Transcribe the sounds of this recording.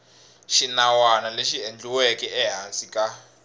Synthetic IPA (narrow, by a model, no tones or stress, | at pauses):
ʃinawanaleʃiend͡ɮuwekʼɛɛɦasikʼa